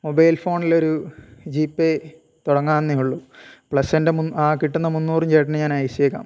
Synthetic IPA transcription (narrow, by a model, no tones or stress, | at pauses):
mobɐjlfo̞ːɳilo̞ɾud͡ʑiːpːe | t̪uɽɐŋːaːnːijuɭːupɭɐsːɐndemunaːkiʈːunːɐmunːuːrumd͡ʑejʈːɐnɨɲaːnajisiekːa̰ːm